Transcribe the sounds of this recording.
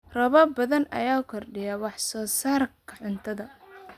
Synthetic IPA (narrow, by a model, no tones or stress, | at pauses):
rɐβɐbɐðɐnɐ̰jaːʊkʰɔrɖɪjɐwɑħsɔːsaːrkʰɐʕʊnt̪ʰɐðɐ